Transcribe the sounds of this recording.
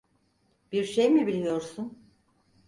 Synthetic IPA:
b̥iɾʃejmibilʲijo̞ɾsun

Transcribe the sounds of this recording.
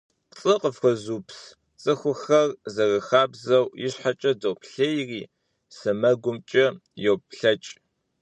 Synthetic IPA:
qt͡sʼɨqəfxʷɔzuːpʰs | t͡sʼɨxʷʊxɐrzɐrɐxaːbzɐwjɪɕħat͡ʃʼɐdopʰɬejriː | sɨmɐɡʷʊmt͡ʃʼɐjowpɬɐt͡ʃʼ

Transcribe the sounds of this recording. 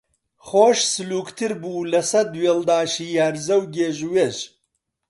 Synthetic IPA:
χoːʃsɨluːkt̪ʰɨɾbuːlɐsɐd̪weːld̪aːʃiːjaːɾzɐwɡeːʒweːʃ

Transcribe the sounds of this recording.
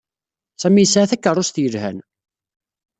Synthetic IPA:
sæmijəsʕaθækːərˤʊst̪jəlhæ̰n

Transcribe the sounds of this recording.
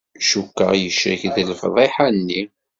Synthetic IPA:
ʃukːə̰ʁjəʃɾəçðəlfðˤeħanːi

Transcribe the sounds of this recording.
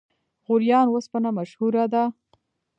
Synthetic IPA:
ɣʊɾjɑnwospanamaʃhuɾad̪a

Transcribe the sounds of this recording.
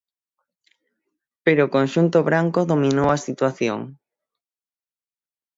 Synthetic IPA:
peɾoːkõnʃunt̪oβɾaŋkoðomĩnowasit̪waθjo̰ŋ

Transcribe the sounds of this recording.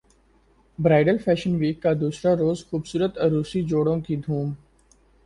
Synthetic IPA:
bɾaːɪɖəlfʰɛːʃənʋiːkːad̪uːsɾaɾoːzxuːbsuːɾət̪ɐɾuːsid͡ʒoːɽõkid̪ʱuːm

